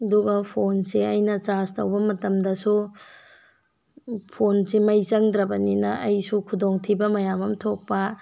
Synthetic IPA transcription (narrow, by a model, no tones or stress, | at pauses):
ɐduɡɐpʰonseɐjnɐt͡ʃastɐwbɐmɐtɐmdɐsu | pʰonsemɐjt͡ʃɐŋdɾɐbɐninɐʔɐjsukʰudoŋtʰibɐmɐjamɐmtʰok̚pɐ